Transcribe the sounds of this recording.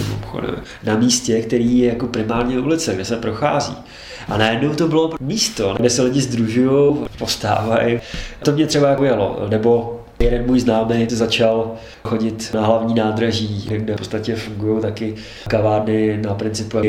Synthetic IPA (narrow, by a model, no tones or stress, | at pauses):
muxo̰dɛ̰m | namiːscɛkt̪ɛɾiːjɛjako̞pɾɪmaːɾɲɛulɪt͡sɛɡdɛsɛpɾo̞xa̰ːzḭː | ʔanajɛdno̞wt̪o̞bɪlo̞miːst̪onaɡdɛsɛlɪɟɪzd̪ɾuʒujowpo̞st̪a̰ːvajɪt̪omɲɛt̪r̥ɛbajakojalo̞̰nɛbo̞ | jɛdɛnmuːjznaːmejzat͡ʃal | xo̞ɟɪt̪naɦlavɲiːnaːd̪ɾaʒiːɪɡdɛpot͡st̪acɛfuŋɡujowt̪akɪ | kavaːɾnɪnapɾɪnt͡sɪpuja